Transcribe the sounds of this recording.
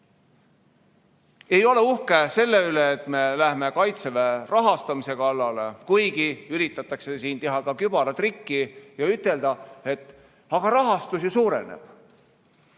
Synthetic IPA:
e̞jo̞le̞uhke̞se̞lːe̞yle̞ːt̪ˑme̞læhme̞kɑjt̪severɑɦɑst̪ɑmise̞kɑlːɑle̞̰kujɡ̥iyɾit̪ːˑɑt̪ːˑɑkse̞siːnt̪e̞ɦɑkɑkyb̥ɑlɑt̪rikːijɑyt̪ːˑe̞ld̪̥ɑe̞t̪ː | ɑɡ̥ɑɾɑɦɑst̪usjisuːɾe̞̰nḛb̥

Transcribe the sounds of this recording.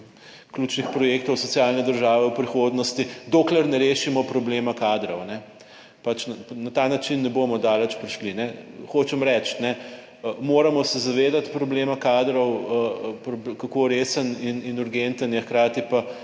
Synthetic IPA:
klʲut͡ʃnixpɾɔjeːkt̪ɔwsɔsjaːlnɛd̪əɾʒaːʋɛwpɾixod̪nɔst̪id̪oːklɛɾnɛɾeːʃimɔpɾɔbleːmakaːd̪ɾɔwnɛ | pat͡ʃnnat̪aːnat͡ʃinːɛbomɔd̪aːlɛt͡ʃpɾiʃlinɛxot͡ʃɛmɾɛt͡ʃt̪nɛ | əmoːɾamɔsɛzaʋeːd̪at̪pɾɔbleːmakaːd̪ɾɔwəpɾɔbkakoɾeːsənininuɾɡent̪ənjɛxkɾaːt̪ipa

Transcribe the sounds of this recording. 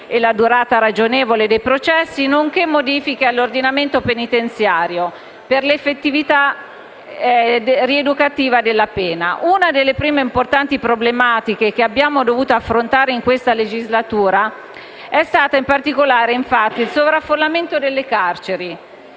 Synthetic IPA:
elad̪uɾaːt̪aɾad͡ʒoneːvoled̪ejpɾot͡ʃɛsːinoŋkemːod̪iːfikealːord̪inament̪openit̪ent̪sjaːɾjo | perlefːet̪ːivit̪a | ried̪ukat̪iːvad̪elːapɛːnaʔunad̪elːepɾiːmeimport̪ant̪ipɾoblemaːt̪ikek̟eabːjaːmod̪ovuːt̪oafːɾont̪aːɾeiŋkwest̪aled͡ʒizlat̪uːɾa | ɛst̪aːt̪aimpart̪ikolaːɾeiɱfat̪ːiilsovɾafːolːament̪od̪elːekart͡ʃeɾi

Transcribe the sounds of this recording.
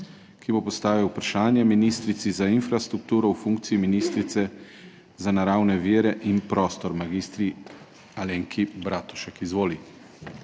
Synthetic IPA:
kibopɔst̪aːʋiwpɾaʃaːnjɛminist̪ɾit̪sizainfɾast̪ɾuk̚t̪uːɾɔwfuŋk̚t̪siiminiːst̪ɾit̪sɛ | zanaɾaːwnɛʋiːɾɛʔinpɾɔːst̪ɔɾmaɡiːst̪ɾi | aleːŋkʰibɾaːt̪u̥ʃakizʋoːli

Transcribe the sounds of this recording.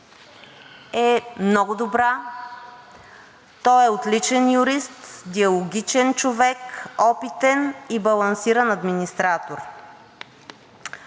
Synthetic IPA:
ɛmnɔɡʊd̪obɾa | t̪ɔɛot̪lit͡ʃɛnjuɾist̪d̪iɐlˠoɡʲit͡ʃɛnt͡ʃovɛkɔpit̪ɛnibɐlˠɐnsiɾənɐd̪minist̪ɾat̪oɾ

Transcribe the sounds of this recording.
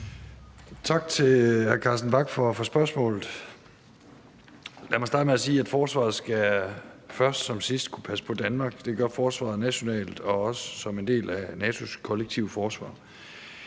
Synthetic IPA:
t͡sʰɑ̈ɡ̥t͡sʰe̝æɐkʰɑ̈sd̥n̩b̥ɑ̈ɡ̥fɒfɒ̽sb̥ɶɐsmɔ̰̽ːlð̩ˠ | læmɒ̽sd̥ɑ̈ːd̥əmeæsiːæd̥fɒːsʋɑ̰̈ːð̩ˠsɡ̥æ | fɶɐsd̥sɒ̽msisd̥kʰu̥pʰæsə̥pʰɒ̽d̥ænmɑ̈ːɡ̥d̥e̝ɡ̥ɶɐfɒːsʋɑ̰̈ð̩ˠnæɕo̝nɛ̰ːld̥ɒ̽ɒ̽sə̥sɒ̽me̝nd̥e̝̰ːlænɛːt͡sʰo̝skʰɒ̽leɡ̥̚t͡sʰiʊəfɒːsʋɑ̰̈ː

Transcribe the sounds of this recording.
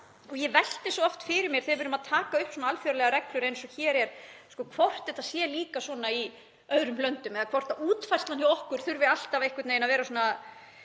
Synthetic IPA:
ɔjɛvɛl̥t̪ɪswɔɔft̪fɪɾɪɾmjɛɾ̥θɪɾpʏɾnʏmaðt̪ʰaːkaʏhpsɔnaalfjœɾalɛɣaɾɛklʏɾejnsɔçɛːɾɛɾ̥skɔːkʰvɔr̥t̪ɛt̪asjɛːliːkasɔːnai | œðɾʏmlœnt̪ʏmɛðakʰv̥ɔr̥t̪auːt̪fajst̪aniɔhkʏɾ̥θʏɾvɪal̥t̪avehkʏɾt̪nejnavɛːɾasɔːna

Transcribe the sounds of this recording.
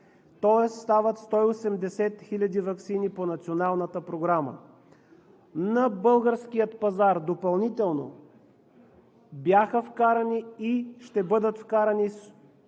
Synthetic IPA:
t̪ɔɛsst̪avət̪st̪ɔiosɛmd̪ɛsɛt̪xilʲɐd̪ivɐksiniponɐt̪sionalˠnət̪əpɾoɡɾamə̰ | nɐbɤlˠɡəɾsk̟ijət̪pɐzaɾd̪opɐlˠnit̪ɛlˠno̰ | bjaxəfkaɾəniiʃt̪ɛbɤd̪ət̪fkaɾənis

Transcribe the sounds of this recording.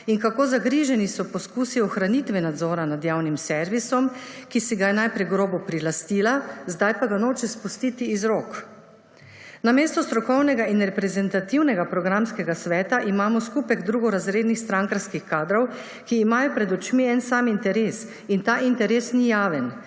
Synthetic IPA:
iŋkakoːzaɡɾiːʒɛnisɔpɔskuːsiɔxɾanit̪ʋɛnad̪zɔːɾanad̪jaːwnimsɛɾʋisɔmkisɛɡajɛnajpɾɛjɡɾoːbɔpɾilast̪iːlazd̪ajpaɡanoːt͡ʃɛspust̪iːt̪iːzɾok | nameːst̪ɔst̪ɾɔkɔwnɛɡainɾɛpɾɛzɛnt̪at̪iwnɛɡapɾɔɡɾamskɛɡasʋɛːt̪aʔimaːmɔskupɛɡd̪ɾuːɡɔɾazɾeːd̪nixst̪ɾaŋkaɾskixkaːd̪ɾɔw | kiːmaːjɔpɾɛd̪ɔt͡ʃmiɛnsaːmint̪ɛɾeːs | int̪aːʔint̪ɛɾeːsnijaːʋɛn

